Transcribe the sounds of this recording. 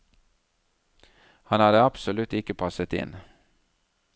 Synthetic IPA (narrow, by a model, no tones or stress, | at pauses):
hɑnhɑːɾeɑpsɔlʉt̪ɪkəpʰɑsət̪ɪ̰n